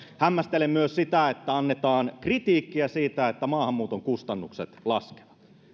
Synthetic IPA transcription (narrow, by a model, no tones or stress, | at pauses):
hæmːæst̪elemːyøssit̪æet̪ːæɑnːet̪ɑːnkrit̪iːkːiæsiːt̪æet̪ːæmɑːhɑmːuːt̪oŋkust̪ɑnːuksḛt̪lɑske̥ʋɑ̥t̪